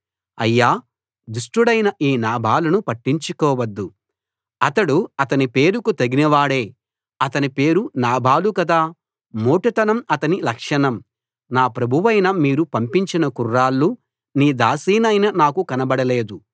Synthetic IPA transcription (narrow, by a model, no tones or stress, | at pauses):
ɐjːaː | d̪uʂʈuɽɐjnɐʔiːnaːbʱaːlunupɐʈːiɲt͡ʃukɔːʋɐd̪ːu | ɐt̪ɐɽuɐt̪ɐnipe̞ːɾukut̪ɐɡinɐʋaːɽe̞ː | ɐt̪ɐnipe̞ːɾunaːbʱaːlukɐd̪aː | moːʈɐt̪ɐnɐmɐt̪ɐnilɐkʂɐnɐm | naːpɾɐbʱuʋɐjnɐmiːɾupɐmpiɲt͡ʃinɐkurːaːlːu | niːd̪aːsiːnɐjnɐnaːkukɐnɐbɐɽɐle̞ːd̪u